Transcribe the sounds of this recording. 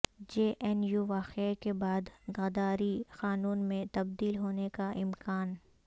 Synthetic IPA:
d͡ʒeːʔɛnjuʋaːqekebaːd̪ɡɐd̪aːɾixaːnuːnmẽt̪ɐbd̪iːlɦoːnekaʔɪmkaːn

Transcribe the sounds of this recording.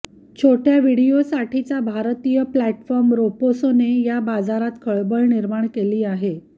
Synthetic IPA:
t͡ɕʰoʈjaʋiɽijosaʈʰit͡sabʱaɾt̪ijəplæʈfɔɾmɾoposonejabad͡zaɾat̪kʰəɭbəɭniɾmaɳ̃keliːaɦe

